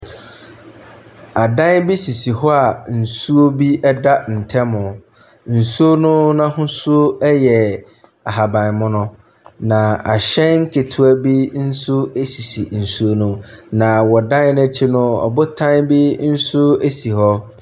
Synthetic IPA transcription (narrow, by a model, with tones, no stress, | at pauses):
a˨dã˦nbi˦si˨si˨hɔ˦a˨n̩˨su˦o˦bi˦ʔɛ˦da˦n̩˨tʰɛ̃˦mʊ̃˨ | n̩˨su˦o˦nʊ̃˦nã˦hʊ̃˦su˦o˦ɛ˦jɛ˨ | a˨ɦa˨bã˨mʊ̃˦nʊ̃˦ | nã˨a˨ɕɛ̃˦nŋ̩˦kʰɪ˨tʰʊ˦æ˦bi˦n̩˦sʊ˦e˦si˨si˨n̩˨su˦o˦nũ˦nã˨wɔ˨dã˦n˦nɛ̃˦t͡ɕʰi˦nʊ̃˦ɔ̰˨bʊ˦tʰã˦nbi˦n̩˦sʊ˦e˦si˨hɔ˦